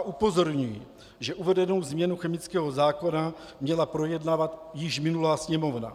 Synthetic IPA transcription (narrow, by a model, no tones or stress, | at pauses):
ʔupo̞zo̞ɾɲuji | ʒɛʔuvɛdɛno̞wzmɲɛnuxɛmɪt͡skɛːɦo̞zaːko̞na | mɲɛlapɾo̞jɛdnavat̪jɪʃmɪnulaːsɲɛmo̞vna̰